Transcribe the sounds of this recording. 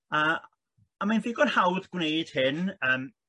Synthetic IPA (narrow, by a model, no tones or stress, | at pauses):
əː | amajnðɪɡɔnhawðɡwnejd̥hɪnəːm